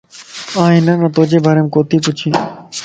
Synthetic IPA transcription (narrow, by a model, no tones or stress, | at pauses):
ãːɦɪnə̃nət̪oːd͡ʒeːbʱəːɾeːmkoːt̪iːpʊt͡ʃʰĩː